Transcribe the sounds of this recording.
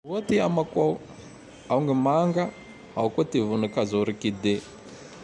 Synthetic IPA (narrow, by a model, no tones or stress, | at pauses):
wot̪iamaka | auŋɡemaŋɡa | aukot̪ivunakazoɾikid̪e